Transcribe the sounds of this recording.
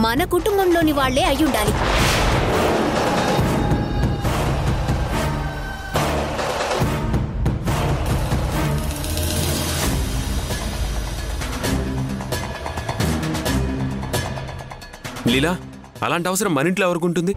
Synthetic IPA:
mɐnɐkuʈumbɐmlo̞ːniʋaːɭːe̞ːɐjːuɳɖaːli | lilaː | ɐ̰laːɳʈiɐʋɐsɐɾɐmːɐniɳʈloɛʋɐɾuk̬uɳʈund̪i

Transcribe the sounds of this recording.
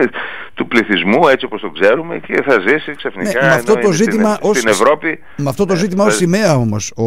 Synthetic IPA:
t̪upliθizmue̞t͡sio̞post̪o̞kse̞ɾume̞̰ceθɐzisiksɐfnḭnekɐmɐft̪o̞tt̪oziimɐʔosinevɾo̞pi | mɐft̪o̞t̪o̞zit̪imɐosimeɐo̞mo̞so

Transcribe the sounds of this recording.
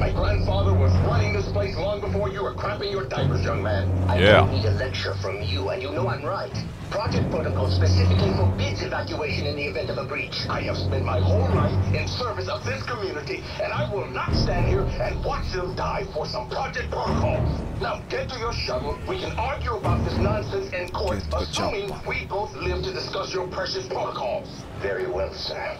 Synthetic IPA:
maɪɡɹæ̃nd̥fɑðə˞wʌz̥ɹaɪɪ̃ŋðɪspʰl̥eɪslɔ̃ŋbəfɔɹjɨə˞kʰɹ̥æpɪ̃ŋjə˞daɪvə˞zjʌ̃ŋmæ̃na̰ɪ̃niɾɨlɛk̚t͡ʃə̰˞fɹʌ̃mjəɨ̰̃njɨnoʊə̃nɹaɪt | pʰɹ̥ɑd͡ʒɛk̚pʰɹ̥oʊɾəkʰɔlˠspɨsɪfɨklifə˞bɪdzɨvækjueɪʃɨ̃nɨ̃nðiɨvɛ̃ntʌvəbɹit͡ʃa̰ɪɨv̥spɛ̃nmaɪɦõʊ̃lˠɹaɪɾɪ̃nsɜ˞vɨsʌvðɪskʰəmjʉnɨɾi | ɨ̃naɪwɪlˠnətstæ̃nd̚hiɹɨ̃nwɑtsɪ̃lˠdaɪfə˞sʌ̃mpʰɹ̥ɑd͡ʒɛk̚pʰɹ̥oʊɾəkʰɔlˠnãɡɛ̃ntʰɨjə˞ʃʌɡl̩ˠwikʰɨ̃nɑɹɡjuəbaʊt̪̚ðɪsnɑ̃nsɛ̃nsɨ̃nkʰɔɹθəsũmɪ̃ŋwiboʊθlɪv̥tɨdɨskʌsjə˞pʰɹ̥ɛʃɨspʰɹ̥oʊɾəkʰɔlˠ | vɛɹḭwɛ̰lˠsɜ̰˞

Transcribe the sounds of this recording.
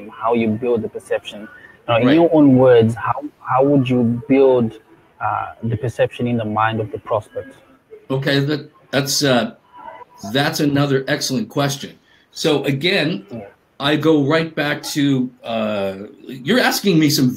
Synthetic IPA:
mhaʊjɨbɪlˠd̪̚ðəpə˞sɛpʃə̃n | naʊɪ̃njəʔõʊ̃nwɜ˞dzhaʊhaʊwəd͡ʒəbɪlˠd̰ | ðəpə˞sɛpʃə̃nɪ̃nðəmãɪ̃ndʌvðəpʰɹ̥ɔspɛk̚t | oʊkʰeɪðɨt | ðætsʌ | ðætsɨnʌðə˞ʔɛksl̩ˠə̃nkʰw̥ɛst͡ʃɨ̃n | soʊʔɨɡɛ̃n | ʔaɪɡoʊɹaɪt̚b̥æk̚tʰɨʌ | jə˞æskɪ̃ŋmisʌ̃m

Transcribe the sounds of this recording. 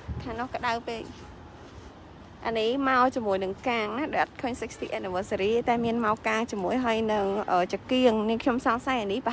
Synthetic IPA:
kʰaːnŏəhkə̆ɗaəwpeːk̚ | ʔanimaɔt͡ɕimuəjnɨŋkaːŋnahɗoʔat̪̚kʰəːɲsək̚st̪ʰiʔaniʋəːt̪̚səɾiːt̪aɛmiənmaɔkaːŋt͡ɕimuəjɦaəjnɨŋʔəːt͡ɕakiəŋniəŋkʰɲomsɑmsajʔaniːp

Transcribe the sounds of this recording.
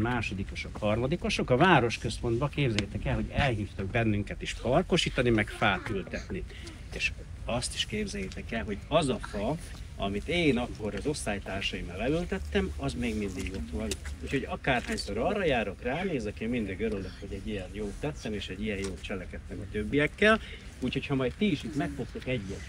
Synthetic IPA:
maːʃo̞d̪iko̞ʃo̞khɒrmɒd̪iko̞ʃo̞kɒvaːɾo̞ʃkø̞spo̞nd̪bɒkeːbzɛjɛt̪ɛkɛlɦo̞ɟɛlɦiːft̪ɒɡ̚bɛnːyŋkɛt̪iʃpɒrko̞ʃiːt̪ɒnimɛkfaːt̪ylt̪ɛt̪ni | eːʃ | ɒst̪i̥ʃkeːbzɛjt̪ɛkɛlɦo̞ɟɒzɒfɒ | ɒ̰mit̪eːnɒkːo̞ɾɒzo̞st̪ːaːjt̪aːrʃɒimalɛylt̪ɛt̪ːɛmɒzmeːɡmind̪iɡo̞t̪ʋɒnuːcho̞ɟɒkaːrhɒikoɾɒrːɒjaːɾo̞kraːneːzɛkemind̪iɡøɾøløkho̞ɟɛɟijɛnjoːt̪ːɛt̪sːɛneːʃɛɟːijɛnjoːt̪̚t͡ʃɛlɛkɛt̪ːɛmɒt̪øbːijɛkːɛl | uːcho̞chɒmɒjt̪t̪iːʃit̪mɛkfo̞kt̪okɛɟːɛt̪

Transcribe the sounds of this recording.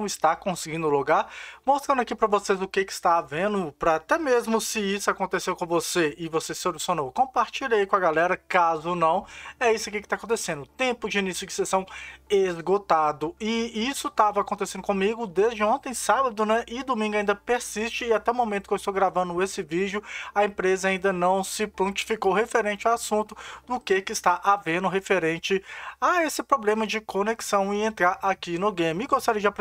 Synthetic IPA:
ɐ̃w̃ɪst̪akõsɪɡĩnd̪ʊluɡaɾmost̪ɾɐ̃nd̪akipɾɐvosezʊkekɪ̥st̪avẽd̪ʊpɾɐat̪ɛmezmʊsɪisʊakõnt̪esewkõw̃voseɪvosesɪolusiõnowkõpaɾt͡ʃiʎejkõɐɡalɛɾɐkazʊonɐ̃w̃ɛisʊakikɪt̪akõt̪esẽnd̪ʊt̪ẽpʊd͡ʒɪinisjʊd͡ʒɪ̥sesɐ̃w̃ezɡot̪ad̪ʊɪisʊt̪avɐakõnt̪esẽnd̪ʊkõmiɡʊd̪ezd͡ʒɪõt̪ẽj̃sabɐd̪ʊnɛʔɪd̪omĩŋɡʊaĩnd̪ɐpeɾsist͡ʃɪːat̪ɛumõmẽt̪ʊ̥keɪst̪owɡɾavɐ̃nd̪ʊesɪvid͡ʒʊɐẽpɾezɐaĩnd̪ɐnɐ̃w̃sɪpõnt͡ʃi̥fikowɦefeɾẽnt͡ʃɪawasũt̪ʊd̪ʊkekɪːst̪aʔavẽnd̪ʊɦefeɾẽnt͡ʃɪaesɪpɾoblẽmɐd͡ʒɪkoneksɐ̃w̃ɪẽnt̪ɾaɾʔakinʊɡẽjmɪɪɡost̪aɾiɐd͡ʒɪapɾ

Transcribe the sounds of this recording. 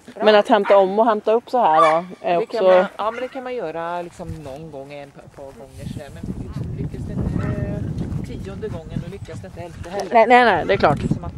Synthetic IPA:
mɛnat̪hɛmt̪aɔmːɔɦɛmt̪aɵpːsɔɦæːɖɔæɾɔksɔɑːmɛnd̪ɛkʰanmanjœːɾalɪksɔmnɔnːɡɔŋːɛnɛpʰɑːɾɡɔŋːəʂɛd̪æɾmɛnlɪksɔmlʏkːasd̪ɛɪnt̪ə | t̪ʰiːɔnd̪əɡɔŋːənɔlʏkːasd̪ɪnt̪əɛlahɛːnɛnɛnɛd̪ɛklɑːʈɔm

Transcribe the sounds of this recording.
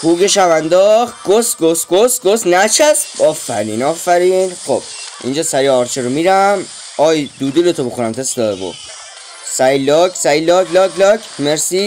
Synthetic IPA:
huːɡeʃævænd̪ɒχɡost̪ɡosɡosɡosnæt͡ʃʰæsɒːfæ̰ɾiːnɒːfæɾinχob̥̚ʔḭnd͡ʒɒːsæɾiɒːɾt͡ʃʰeɾomiɾæm | ɒːjd̪uːd̪ulet̪ʰobexuɾæmt̪ʰesd̪ɒbo̰ | sæilɒksæilɒːɡlɒːɡlɒkʰmeɾsi

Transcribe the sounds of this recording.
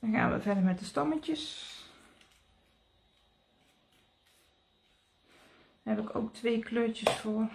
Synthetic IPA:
dɔnxa̰ːnʋə̰fɛdərmɛt̚dəstɔməəs | hɛpɪko̰ːktʰʋeːkʰløːtjəsfoːər

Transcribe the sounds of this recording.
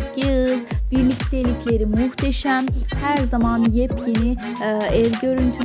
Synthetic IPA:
sciɯzbiɾlʲict̪ʰelʲicʰlʲe̞ɾimuht̪ʰeʃæmhæɾzamanjɛpʰjeni | ɛvɟø̞ɾynt̪ʰy

